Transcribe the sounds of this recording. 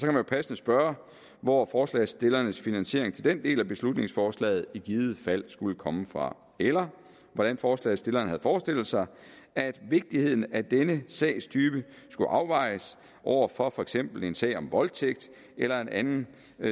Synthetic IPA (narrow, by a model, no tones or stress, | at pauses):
sɒ̽kʰæmænjo̝pʰæsənəsb̥ɶɐ | ʋɒfɒːslɛ̰ːsd̥e̝lɐnəsfinænɕe̝ɐeŋt͡sʰe̝ld̥end̥e̝̰ːlæb̥e̝slud̥ne̝ŋsfɒːslɛ̰ːð̩ˠiɡ̥iːð̞̩ˠfæl̰sɡ̥uləkʰɒ̽məfʁɑ̈ | elɐ | ʋɒɾ̥ænfɒːslɛ̰ːð̩ˠsd̥e̝lɐːnəhæð̞̩ˠfɒːsd̥e̝l̰l̩ˠsɑ̈ɪ | æd̥ʋe̝ɡ̥̚d̥ihe̝ð̰ˠn̩æd̥enəsɛ̰ːst͡sʰyːb̥ə | sɡ̥uʔɑ̈ʊʋɑ̈ɪs | ʔɒʊ̰ɐfɒ̽fɒ̽eɡ̥sem̰b̥l̩e̝nsɛ̰ɪ̰ɒ̽mʋɒ̽lt͡sʰeɡ̥̚d̥ | elɐe̝nʔænn̩